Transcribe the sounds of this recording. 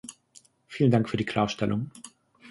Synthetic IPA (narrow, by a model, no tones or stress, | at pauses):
fiːlən̩daŋkfyːɐdiːkʰl̥aːɐʃtɛlʊŋ